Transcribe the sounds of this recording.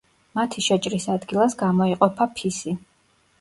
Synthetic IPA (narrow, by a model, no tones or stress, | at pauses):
mat̪ʰiʃɛt͡ʃʼɾisad̪ɡilˠasɡamɔiqʼɔpʰapʰisi